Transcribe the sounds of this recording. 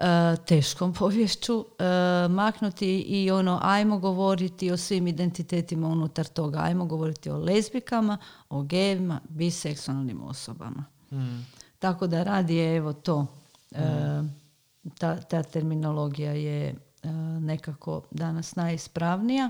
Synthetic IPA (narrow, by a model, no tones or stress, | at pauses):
ət̪e̞ːʃko̞mpʰo̞ʋjeʃt͡ɕu | maknut̪iʔio̞no̞ʔajmo̞ɡo̞ʋo̞ɾit̪io̞sʋimid̪e̞nt̪it̪e̞ːt̪imaunut̪aɾt̪o̞ɡaa̰jmoɡo̞ʋo̞ɾit̪io̞̰le̞zbikamao̞ɡeʋimabiseksualˠnḭmo̰soba̰ma | t̪ako̞d̪aɾaːd̪iee̞ʋo̞t̪o̞ː | t̪at̪aːt̪e̞ɾmino̞lo̞ɡijaje | ne̞kakʰo̞̰d̪anasnajispɾaʋnija